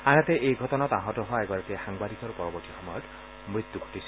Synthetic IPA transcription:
anat̪eʔejɡʱɔtɔnɔtaɦɔtɔɦɔɛɡɔɾakexaŋbad̪ikɔɾupɔɹɔbɔɾtixɔmɔjɔt | mɹit̪juɡʱo̥tisʰi̥

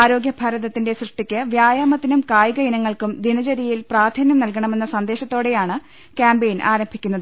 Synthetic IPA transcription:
aːɾo̞ːɡjɐbʱɐɾɐðɐt̪ːindesrɨʂʈːikʲːɨʋjaːjaːmɐt̪ːinumkaːjɡɐinɐŋːɐɭkumd̪inɐt͡ɕɐɾijilpraːd̪ʱɐnjɐmnɐlkɐɳɐme̞nːɐsɐnd̪e̞ːɕɐt̪ːo̞ːɽe̞jaːɳɨ | kaːmbejnʔa̰ːɾɐmbʱikʲːunːɐðɨ

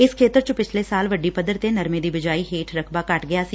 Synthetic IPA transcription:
ɪskʰeːt̪əɾt͡ʃəpɪt͡ʃʰleːsaːlʋəɖiːpəd̪əɾt̪eːnəɾmẽːd̪iːbɪd͡ʒaːiːɦeːʈʰɾəkʰbaːkəʈɡɪjaːsi

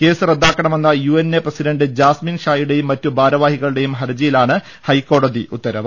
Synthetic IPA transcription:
ke̞ːsɨrɐd̪ːaːkːɐɳɐme̞nːɐjuːenːeprɐsiɖɐɳɖɨd͡ʑaːsminʂaːjuɽe̞jumːɐtːubʱaːɾɐʋaːhiɣɐɭɨɽe̞jumɦɐɾd͡ʑɐjilaːɳɨ | hɐjkːo̞ːɽɐd̪iʔut̪ːɐɾɐʋɐ

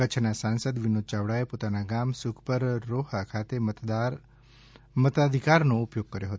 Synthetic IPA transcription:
kət͡ʃʰnasansəd̪ʋinod̪̚t͡ʃaʋɽaepot̪anaɡamsukʰpəɾːoɦakʰat̪emət̪a | mət̪ad̪ʱikaɾnoupjoɡ̚kəɾjoɦət̪o

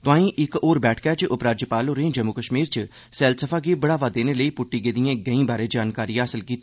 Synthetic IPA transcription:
t̪ʊãːĩːʔɪkoːɾbɛːʈʰkɛːt͡ʃʔʊpɾaːd͡ʒjəpaːloɾẽːd͡ʒəmːukəʃmiːɾt͡ʃ | sɛːlsəfʰaːkibəɽaːʋaːd̪eːneləiːpʊʈːiːɡeːd̪ijãːɡəĩːbaːɾeːd͡ʒaːnkaːɾijãːɦəsəlkiːt̪ː

